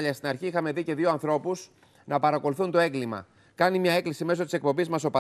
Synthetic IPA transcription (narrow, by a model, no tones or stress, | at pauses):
ʎɐst̪inɐɾçiixɐme̞ðice̞ðioɐnθɾo̞pus | nɐpɐɾɐko̞luθunt̪oe̞ŋɡlimɐ̰ | kɐnimɲɐe̞klisime̞so̞t̪ise̞k̚po̞mbizmɐso̞pɐ